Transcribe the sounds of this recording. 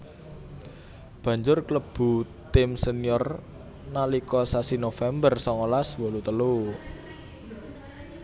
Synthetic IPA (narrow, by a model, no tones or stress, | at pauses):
b̥ä̤ɲd͡ʒʊrkləb̥ṳ | t̪ɪmsəniɔr | nalikɔsasinofɛmbərsɔŋolaswolut̪əlu